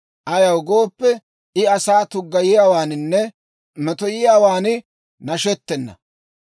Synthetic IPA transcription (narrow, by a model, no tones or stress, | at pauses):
ʔɐjɐwɡo̞ːpːɛ | ɪɐsaːt̪ʊɡːɐjɪjaːwaːnɪnːɛ | mɛt̪ɔjɪjaːwaːnɪ | nɐʃɛt̪ːɛnːɐ̰